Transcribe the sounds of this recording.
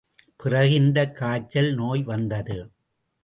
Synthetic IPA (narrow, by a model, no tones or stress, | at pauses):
pɪrɐɣɪnd̪ɐkːaːt͡ʃːɐlnoːjʋɐnd̪ɐðɯ